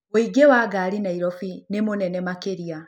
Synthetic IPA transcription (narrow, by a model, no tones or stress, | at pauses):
oiɡewaɡaːɾinaiɾɔfinemonɛnɛmakeɾia